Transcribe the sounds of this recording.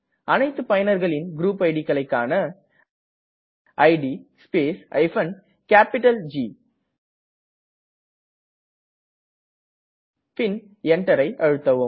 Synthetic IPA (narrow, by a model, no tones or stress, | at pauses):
ɐnɐɪt̪ːɯpɐjɐnɐɾɣɐɭɪnɡɾuːpɐɪɽikːɐɭɐɪkːaːnɐ | ʔɐɪɖispeːsʔɐ̰ɪfɐn | kaːpɪʈːɐld͡ʒi | pɪn | ɛɳʈːɐɾɐɪʔɐɻɯt̪ːɐʋɯ